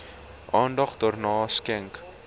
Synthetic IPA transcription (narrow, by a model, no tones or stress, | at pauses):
ʔɑːndɐχdoːrnɑːskɛŋk